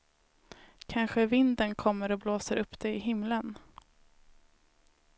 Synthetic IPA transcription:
kʰanɧəvɪnd̪ənkʰɔmːəɾɔbloːsəɾʔɵpːd̪̥ɛɪɦɪmlən

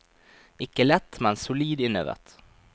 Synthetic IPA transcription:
ɪkːəlɛt̪ːmɛnsʊliːd̪ɪnə̰ʋə̰t̪

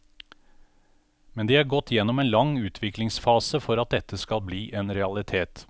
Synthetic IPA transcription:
mɛnd̪eːæːɾɡɔt̪ːjɛnɔmeːnlɑŋʉːt̪ʰʋɪklɪŋsfɑːsəfɔɾɑt̪̚d̪ɛt̪ːəskɑlbliːʔeːnɾɛɑlɪt̪ʰeːt̪

